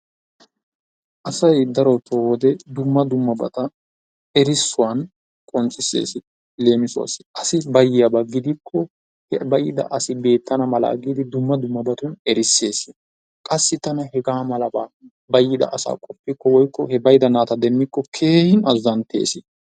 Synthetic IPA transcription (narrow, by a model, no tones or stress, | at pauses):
ʔɐsɐjd̪ɐɾɔt̪owɔd̪ɛd̪ʊmːɐd̪ʊmːɐbɐ̰t̪ɐ | ɛɾɪsːʊwan | kʼɔnt͡sʼːɪsḛːsɪ | le̞ːmɪsʊa̰sɪ̥ɐsɪbɐjːɪjɐbɐɡːɪd̪ɪkʰːɔ | hɛbɐjɪd̪ɐ̰ʔɐsɪbe̞ːt̪ʰːɐnɐmɐla̰ːɡiːd̪ɪd̪ʊmːɐd̪ʊmːɐbɐt̪ʊnɛɾɪsːe̞ːsɪ | kʼɐsːɪt̪ɐnɐhɛɡaːmɐlɐbaː | bɐjːɪd̪ɐ̰ʔsa̰ːkʼɔpːɪkːɔwɔjkːɔhɛbɐjɪd̪ɐnaːt̪ɐd̪ɛmːɪkːɔkʰe̞ːhɪnɐzːɐnt̪ʰḛːsɪ